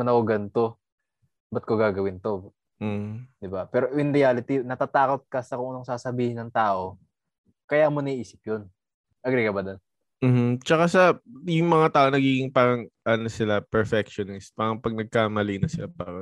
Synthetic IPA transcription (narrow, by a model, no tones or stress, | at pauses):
ɐnɐkoɡɐnt̪o̞ | bɐt̪̚koɡaːɡɐwɪnt̪o | d̪ɪbapɛːɾoʔɪnɾɪjalɪt̪inɐt̪at̪aːko̞t̪̚kɐsɐkʊŋɐnoŋsaːsɐbiːhɪnːɐŋt̪aːʔo̞ | kɐjamonɐiʔiːsɪ̥p̚jon | ʔɐɡɾikɐbad̪on | m̩ːhm̩t͡ʃɐkasɐjʊŋmɐŋat̪aːʔo̞nɐɡiːɡɪŋpaːɾɐŋʔɐnosɪlapɛɹfɛk̚ʃonɪspaːɾɐŋpɐɡ̚nɐɡ̚kaːmɐlinɐsɪlapaːɾɐŋ